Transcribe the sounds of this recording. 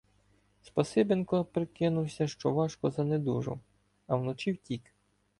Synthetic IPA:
spɐsɪbenkɔpɾɪkɪnʊwsʲɐʃt͡ʃɔʋɑʃkɔzɐned̪uʒɔ̰ | ɐwnɔt͡ʃiwtʲik

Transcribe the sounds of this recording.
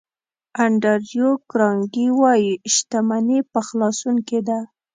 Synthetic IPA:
aɳɖaɾjokɾɑŋɡiwɑjiʃt̪amanepəxlɑsuŋked̪a

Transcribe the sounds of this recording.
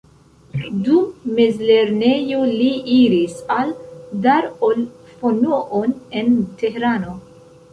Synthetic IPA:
dumːe̞zle̞ɾne̞joliiɾisaldaɾol | fonoʔone̞nte̞heɾano̞

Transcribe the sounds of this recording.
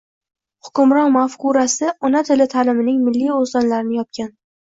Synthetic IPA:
hʊkʲʊmɾɒnmafkʊɾasɪɒnat̪ʰɪlɪt̪ʰaːlɪmɪnɪŋmɪlːijozd̪anlaɾɪnɪjɒp̚kʲʰan

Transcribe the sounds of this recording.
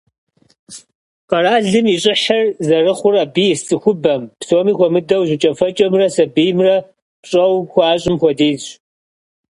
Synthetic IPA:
qɐraːɮɨmiɕʼɪħɐrzɐrɨχʷʊraːbiːjɪssʼɨxʷʊbɐmpsoːmiːxʷɔmɨdɐwʑʷɪt͡ʃʼɐfɐt͡ʃʼɐmrɐsɐbijmrɐ | pɕʼɐwxʷɑːɕʼɪmxʷɔdeːɕ

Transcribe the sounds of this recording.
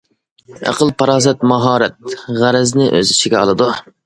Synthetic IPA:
æ̰qʰəlˠpʰɑɾɑːzɛt̪̚mɑɦɑːɾɛt̪̚ʁæɾɛznɪʔø̰zɪʃiɡʲɛɑ̰lˠɨd̪u

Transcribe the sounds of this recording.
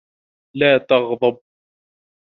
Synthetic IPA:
laːt̪ɑɣðˤɑb̚

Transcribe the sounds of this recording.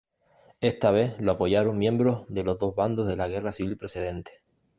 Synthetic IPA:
e̞ht̪aβ̞e̞hloapo̞ʝaɾoŋmjẽ̞mbɾo̞ɦðe̞lo̞ɦðo̞ɦβand̪oɦðe̞laɣ̞e̞rasiβilpɾose̞ð̞ẽ̞nt̪e̥

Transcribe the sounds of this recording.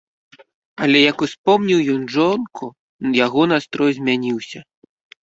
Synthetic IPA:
ɐlʲɛjɐkuspɔmnʲiwjɔnʐɔnkʰu | jaɣɔnast̪ɾɔjzʲmʲanʲiwsʲɐ

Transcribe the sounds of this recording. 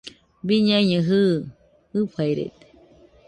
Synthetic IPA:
biɲaɲɨ̃ɦɨ | ɨpʰajɾḛt̪e̥

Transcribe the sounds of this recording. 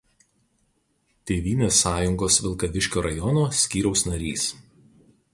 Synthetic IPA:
t̪ʲeːʋʲiːnʲeːsːɑːjʊŋɡoːsʋʲɪlˠkɐʋʲɪʃʲkʲoːɾɐjɔnoːsʲkʲiːɾʲɛʊsnɐɾʲiːs

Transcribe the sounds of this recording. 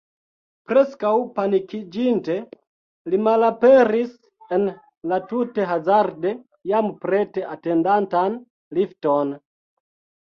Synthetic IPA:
pɾe̞skawpanikid͡ʒinte̞ | limalapeɾis | en | latute̞ɦazaɾde̞ | jampɾete̞ʔate̞ndantan | lifton

